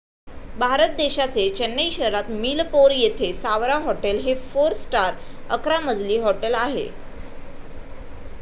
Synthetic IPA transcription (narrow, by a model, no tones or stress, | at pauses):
bʱaɾət̪̚d̪eɕat͡set͡ɕənːejɕəɾat̪miːlpoɾjet̪ʰesaʋɾaɦɔʈelɦefoɾsʈaɾə̰kɾaməd͡zliːɦɔʈelaɦḛ